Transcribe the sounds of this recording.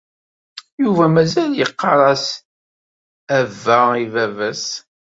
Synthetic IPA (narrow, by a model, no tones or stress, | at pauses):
juvæmæzæljəqːɑɾˤɑs | ævːæivævæs